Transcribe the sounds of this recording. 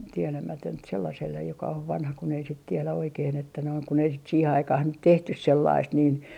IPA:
tielæmætønt selːɑselːej jokɑ oʋ ʋɑnhɑ kun ei sit tielæ oikeːn etːæ noin kun ei sit siːhe ɑikɑh nyt tehtys selːɑist niːn

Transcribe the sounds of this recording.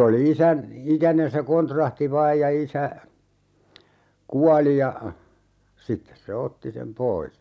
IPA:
oli isæn ikænen se kontrɑhti ʋɑːj jɑ isæ kuɑli jɑ sitːes se otːi sem pois

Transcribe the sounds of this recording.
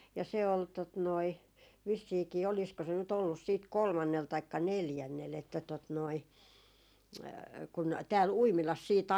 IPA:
jɑ se ol tot noi ʋisːiːkiː olisko se nyt olːus siːt kolmɑnːel tɑikːɑ neljænːel etːæ tot noi kun tæːl uimilɑs siːt

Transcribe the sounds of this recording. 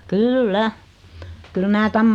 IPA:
kylːæ kyl mæː tæm

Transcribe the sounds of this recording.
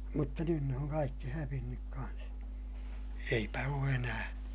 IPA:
mutːɑ nyn ne oŋ kɑikːi hæʋinːyk kɑns eipæ oː enæː

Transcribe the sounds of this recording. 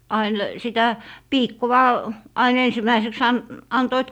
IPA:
ɑin sitæ piːkːowɑ ɑin ensimæiseks ɑn ɑntoit

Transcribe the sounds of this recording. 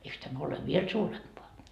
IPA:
eiks tæmæ ole ʋiel suːrempoɑ

